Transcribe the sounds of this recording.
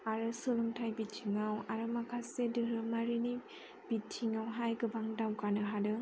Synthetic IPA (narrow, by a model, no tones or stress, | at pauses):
aɾɯsulumtʰajbittʰiŋawaɾɯmakʰasedɯɾɯmaɾini | b̥it̚tʰiŋawɦajɡɯbaŋdawkanɯɦadɯ